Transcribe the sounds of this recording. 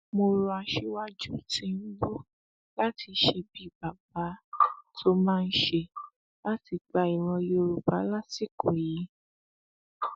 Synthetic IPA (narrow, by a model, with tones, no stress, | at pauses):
mo˧ɾu˧a˧ʃe˧˦wa˦d͡ʒu˦tĩ˧n̩˦ɡ͡bo˦ | la˦ti˧ʃe˧bi˦˨ba˨ba˨˦tʰo˦mãː˦˧n̩˦ʃe˧ | la˦ti˧ɡ͡ba˧i˨ɾ̃ɔ̃˧jo˧ɾu˨ba˨˦la˦si˦˨kʰo˨ji˨˦